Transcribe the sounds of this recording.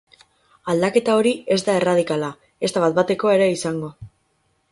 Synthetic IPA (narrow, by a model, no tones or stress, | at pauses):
ald̪ake̞t̪ao̞ɾie̞zd̪ae̞rað̞ikala | e̞st̪aβat̪̚bat̪e̞ko̞e̞ɾe̞isaŋɡo̞